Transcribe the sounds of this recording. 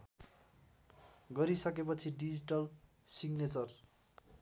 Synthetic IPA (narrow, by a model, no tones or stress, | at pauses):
ɡʌɾisʌkepʌt͡sʰiɖid͡ziʈʌl | siɡnet͡sʌr